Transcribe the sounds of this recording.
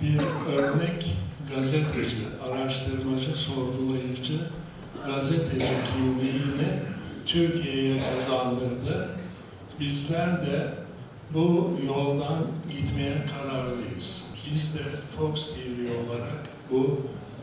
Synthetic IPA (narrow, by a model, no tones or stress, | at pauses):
biɾø̞ɾnɛcɡazet̪ʰed͡ʒɯʔaɾaʃt̪ʰɯɾmad͡ʒɯso̞ɾɡulˠajɯd͡ʒɯ | ɡazet̪ʰed͡ʒɯɟʲʰinlʲiinɪt̪ʰyɾcʰijɛjɛkʰazand̪ɯɾd̪ɯ | bizlʲæɾd̪ɛ | bujo̞lˠd̪anɟit̪mejɛkʰaɾaɾlˠɯjɯz̥bizd̪ɛfokst̪ʰivio̞lˠaɾak | bu